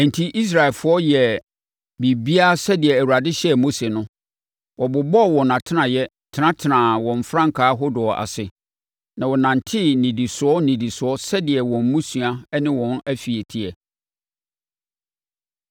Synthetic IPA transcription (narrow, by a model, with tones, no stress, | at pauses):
ɛ̃˨n̩˨tʰi˦ʔi˦s̬ɾa˨ɛ˨lfʊ˨˦ɔ˦jɛ˨ | bi˨bi˦a˦sɛ˦dɪ˨ɛ˨æ˨wu˨ɾa˨dɪ˦ɕɛ˦˨mo˦se˨nʊ̃˦ | wɔ˨bʊ˨bɔ˦˨wɔ̃˨nã˨tʰɪ˦nã˨jɛ˦ | tʰɪ˨nã˦tʰɪ˨nã˨wɔ̃˨m˨fɾã˦ŋ̩˨kʰaː˨˦ɦʊ˦dʊ˨ɔ˨ʔa̰˨sɪ˨ | nã˨wɔ˨nã˨n̩˨tʰɪ˦nĩ˨di˨sʊ˨˦ɔ˦nĩ˨di˨sʊ˨ɔ˦sɛ˦dɪ˨ɛ˨wɔ̃˨m˦mũ˦su˨a˦nɪ̃˦wɔ̃˨næ˦fi˨e˨tʰi˦ɛ˨